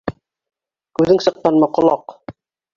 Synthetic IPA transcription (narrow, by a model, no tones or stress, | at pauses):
kʉðɘŋsɤ̆q̚tɑnmɤqŏlˠɑq